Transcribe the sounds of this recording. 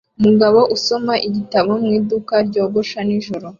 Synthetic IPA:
umuɡaβo̞ʔuso̞maʔiɟitaβomŋiːdukaɾɟo̞ːɡoʃaniʒoɾo

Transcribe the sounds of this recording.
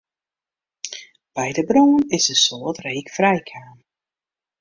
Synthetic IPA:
b̥ɛjdəbroːnɪsəsoːətreːkfrɛjkʰaːn

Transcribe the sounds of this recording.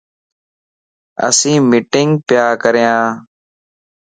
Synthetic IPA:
ə̰sĩːmɪʈɪŋɡpjaːkəɾjãː

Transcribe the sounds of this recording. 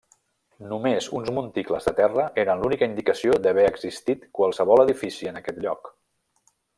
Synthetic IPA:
numezunzmunt̪ikləzðət̪ɛrəʔeɾənlunikəind̪ikəsiod̪əβɛəɡzist̪it̪kwalˠsəβɔlˠəðifisiənəkɛt̪ʎɔk

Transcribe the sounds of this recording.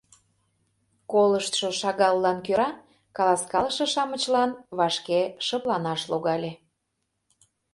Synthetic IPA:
koləʃt̪ʃoʃɑɣɑlːɑnkøɾɑ | kɑlɑskɑləʃɤ̆ʃɑmə̆t͡ɕlɑnβɑʃkeʃəplɑnɑʃloɣɑlʲe

